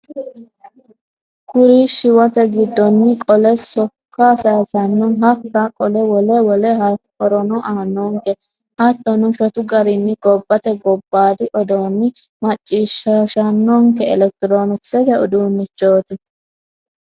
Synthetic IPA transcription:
kʊɾiʃɪwɔt̪ɛɡɪd̪ːɔnːɪkʼɔlɛsɔkːasɐjsɐnːɔɦɐfɾakʼɔlɛwɔlɛwɔlɛhɐkɔɾɔnɔʔaːnːɔːŋkɛ | hɐt̪ːɔnʊʃɔt̪ʊɡɐɾɪnːɪɡɔbːɐt̪ɛɡɔbːaːd̪ɪʔɔd̪onːɪ | mɐt͡ʃʼːiːʃɐʃɐnːɔːŋkɛɛlɛk̚t̪ɪɾoːnʊksɛd̪ɛɔd̪uːmɪt͡ʃːoːt̪ɪ

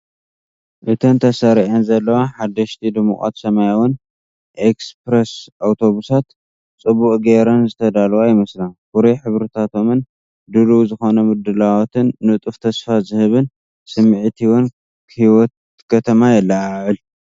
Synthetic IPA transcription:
ʔɨt̪ʰɐnt̪ʰɐsɐɾiʕɐnzɐlːɐwaħad̪ːɐʃt̪ʰid̪ɨmṵχʼa̰t̪sɐmajawʊn | ʔekspɾesawt̪ʰo̞βusat̪ | t͡sʼɨbukʼɡeɾɐnzɨt̪ʰɐd̪alwajɪmɐslakuɾeħɨβɾɨt̪ʰat̪ʰo̞mɨn | d̪ɨluwzɨxo̞nɐmɨd̪ɨlawt̪ʰɨnːɨt̪ʼɨft̪ʰɐsfazɨhɨβɨn | sɨmːɨʕt̪ʰiwɔn | hiwɔt̪̚ | kʰɐt̪ʰɐmajɛlːaʕaʕɨl

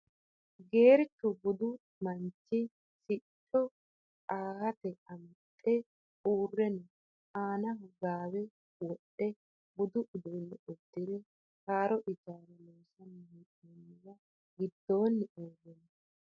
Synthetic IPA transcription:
ɡe̞ːɾt͡ʃːʊbʊd̪ʊ | mɐnt͡ʃːɪ | sɪt͡ʃʼːɔ | aːhɐt̪ɛɐmɐt̪ʼːɛ | uːrːɛnɛ | aːnɐɦɔɡaːwɛ | wɔɗːɛ | bʊd̪ʊʔʊd̪ɔjnːɛɔd̪ːɪd̪ɛ | haːɾɔʔɪd͡ʒaːɾɐmoːsɐnɪhitʼɛnːɪɡɐ | ɡɪd̪ːo̞ːnːɪʔoːɡɛnɛ

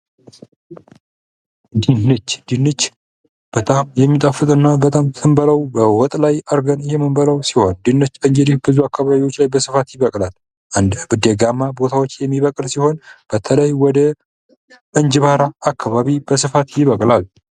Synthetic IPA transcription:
d̪inɨt͡ʃːd̪̥inːɨt͡ʃː | b̥ət̪ʼamjɛmːit̪ʼafɨt̪ʼɨnːabət̪ʼamt̪ʰɨmbələwbəwɔt̪ʼlajəɾɡənɪhemɨmbələwsiho̞nd̪inːɨt͡ʃːɨɲd͡ʒed̪ihbɨzuakːaβaβiwot͡ʃːlajbəsɨfat̪jɪβəkʼlal | ʔɨnd̪bɨd̪ɛɡamːabo̞t̪ʰawot͡ʃːjɛmːiβəkʼlsiho̞nb̥ət̪ʰələjwɔd̪ə | ʔɨnd͡ʒβaɾaːkʰːaβaβib̥əsɨfat̪jɪβəkʼlal

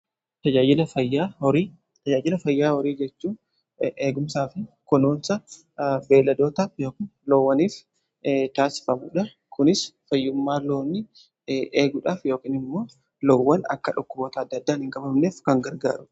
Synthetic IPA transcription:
t̪ɐd͡ʒaːd͡ʒɪlɐfɐjːaːɔɾiː | t̪ɐd͡ʒaːd͡ʒɪlɐfɐjːaːhɔɾiːd͡ʒɛt͡ʃːuːn | ʔeːɡʊmsaːfɪkɔnoːnsɐ | be̞ːlːɐd̪o̞ːt̪aːfjo̞ːkɪnlɔwːɐniːf | t̪aːsɪ̥fɐmuːᶑɐ | kʊnɪsfɐjːʊmːaːloːnːɪ | ʔeːɡʊːᶑaːfjo̞ːkɪːnɪmːo̞ː | lɔwːɐnɐ̰kːɐᶑʊkːʊboːt̪ɐːd̪ːɐd̪ːaːnhɪŋkʼɐbɐmneːfkɐŋɡɐɾɡa̰ːɾʊ

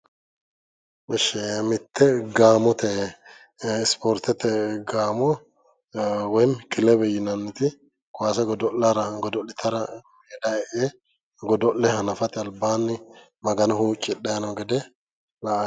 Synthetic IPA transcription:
ɛʃɛmɪt̪ʰːɛɡaːmɔt̪ɛ | ɪspɔɾt̪ɛt̪ːɛɡaːmɔ | wɔjnkɪlɛbɛjɪnɐnːɪt̪ɪ | kʊaːsɐɡɔd̪ɔllɐɾɐɡɔd̪ɔlɪt̪ʰɐɾɐmeːdaɛʔe | ɡɔd̪ɔʔlːɛhɐnɐfɐt̪ɪɐlbaːnːɪ | mɐɡɐnɐhuːt͡ʃʼːɪɗaːnɔɡɛd̪ɛ | la

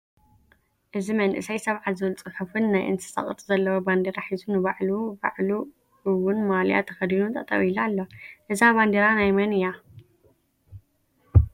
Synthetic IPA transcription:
ʔɨzimɐnʔɨ̰sajsɐβʕazɨlt͡sʼɨħɨfɨnːajʔɨ̰nsɨ̥sɐ̰χʼt̪ʼzɐlːɐwoband̪eɾaħizunɨβaʕluba̰ʕlu | ɨwʊnmalja̰t̪ʰɐxɐd̪inut̪ʼɐt̪ʼɐ̰wilalːoʔɨzaβand̪eɾanajmɐnɨja

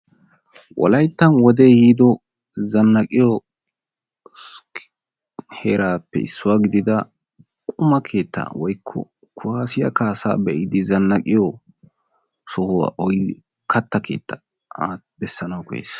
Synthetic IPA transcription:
wʔɔ̰lɐjt̪ːɐnwɔd̪eːhiːd̪ɔ | zɐnːɐkʼɪjɔ | heːɾaːpːɛ̰ɪ̰sːʊwaːɡɪd̪ɪd̪ɐ | kʼʊmɐkʰe̞ːt̪ːa̰wɔjkʰːɔ̰ | kʰʊhaːsɪjɐ̰kaːsa̰ːbɛʔɪd̪ɪzɐnːɐkʼɪjɔ | sɔhʊwa̰ːʔɔj | kʰɐt̪ːɐkʰe̞̰ːt̪ːɐ | aː | bɛsːɐnɐwkɔjḛːs

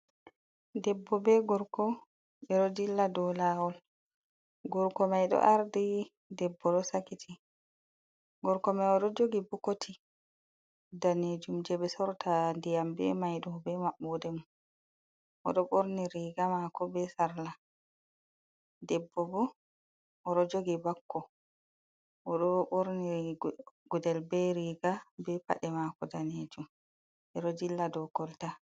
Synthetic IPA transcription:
dɛbːɔbɛɡɔɾkɔ | ɓɛɗɔdilːadɔlaːwɔl | ɡɔɾkɔmajɗɔ̰ʔaɾdi | dɛbːɔɗɔsakitʰi | ɡɔɾkɔmɛɔɗɔd͡ʒoɡibukotʰi | daned͡ʒumd͡ʒɛɓɛsɔɾtʰandɛjambɛ̰majɗɔbɛmaɓːɔdɛmu | ʔɔ̰ɗɔɓoɾniɾiːɡamakɔbɛsaɾla | dɛbːɔbɔ | ʔɔɾɔd͡ʒoɡibakːɔ | ʔɔɗɔɓoɾni | ɡ̥udɛlbɛɾiːɡabɛpa̰ɗɛmakɔdaned͡ʒum | ʔɛɾɔd͡ʒilːadɔkɔlta

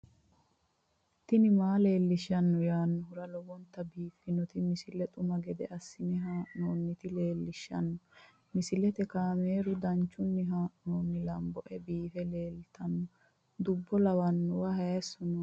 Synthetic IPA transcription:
t̪ɪnɪmaːle̞ːlːɪʃɐnːɔjaːnːɔhʊɾɐlɔwɔnt̪ɐbiːfːɪnɔt̪ɪmɪsɪlɛt̪ʼʊmɐɡɛd̪ɛ̰ʔɐsːɪnɛɦaːʔnoːnːɪt̪ɪleːlːɪʃːɐ̰nːɔ | mɪsɪlɛt̪ɛkaːmeːɾʊd̪ɐnt͡ʃːʊnːɪɦaːʔnoːnːɪlɐmbɔʔɛbiːfɛleːlt̪ɐnːɔ | d̪ʊbːɔlɐwɐnːɔwɐhɐɛsːɔnɔ

